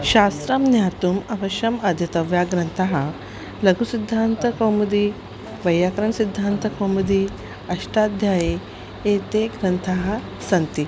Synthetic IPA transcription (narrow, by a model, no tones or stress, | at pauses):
ɕast̪ɾamnjat̪umɐʋɐʃɐmɐd̪ʱjɐt̪ɐʋjaɡɾɐnt̪ʰaɦa | lɐɡusid̪ʱːant̪ɐkɐwmud̪i | ʋɐjːakɾɐɳsid̪ʱːant̪ɐkɐwmud̪i | ɐʂʈad̪ʱjaje | et̪eɡɾɐnt̪ʰaɦa | sɐnt̪i